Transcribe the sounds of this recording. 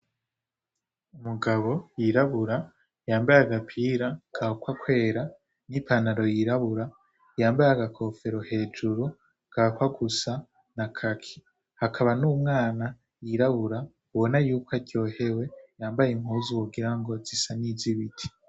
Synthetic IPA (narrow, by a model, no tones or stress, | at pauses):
umuɡaβo̞jiɾaβuɾa | jaːmbajaɡapʰiːɾakʰakwakwe̞ːɾa | nipanaɾo̞jiɾaβuɾa | jaːmbajaɡakʰo̞fe̞ɾo̞he̞ːd͡ʒuɾu | kʰakwaɡusa | nakʰakʰi̥ | hakʰaβanuːmŋaːna | jiɾaβuɾa | uβo̞najuːkwaɟo̞ːhe̞we̞jaːmbajem̥huːzuwuɡiɾaŋɡo̞zisaniziβitʰi̥